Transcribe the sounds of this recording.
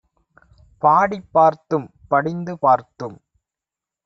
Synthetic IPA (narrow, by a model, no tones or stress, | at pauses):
paːɽɪpːaːɾt̪ːɯmpɐɽɪnd̪ɯpaːɾt̪ɯm